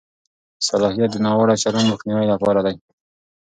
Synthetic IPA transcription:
salɑhijat̪̚d̪ənɑwaɽaʃaɾonməxniwajlapɑɾad̪aj

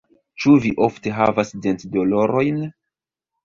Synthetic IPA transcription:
t͡ʃuviʔofte̞ɦavasdentdolo̞ɾo̞jn

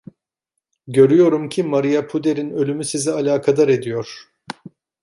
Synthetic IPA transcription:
ɟø̞ɾyjo̞ɾumcʰimaɾijapʰud̪e̞ɾinø̞lʲymysizialʲaːkʰad̪aɾe̞d̪ijo̞ɾ̥

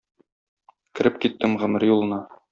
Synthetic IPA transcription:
kɘ̆ɾɘpkit̪ːɘmʁɵ̆mɘɾjulˠɤ̆nɑ

